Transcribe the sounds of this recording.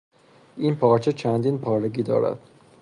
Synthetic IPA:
ʔinpʰɒːɾt͡ʃʰet͡ʃʰænd̪iːnpʰɒːɾeɟiːd̪ɒ̰ːɾæ̰d̪̥

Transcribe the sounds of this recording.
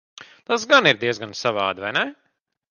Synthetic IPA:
t̪asɡaniɾd̪iɛzɡansaʋaːd̪vajnɛ

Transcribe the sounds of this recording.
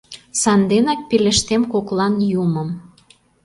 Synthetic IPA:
sɑnd̪enɑk̚pilə̆ʃt̪emkoklɑnjuməm

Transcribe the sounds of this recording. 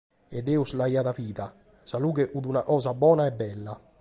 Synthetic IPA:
ed̪ɛːuslajaːt̪afiːt̪a | saluːkeʔud̪unakɔːzabɔːnaɛbːɛlːa

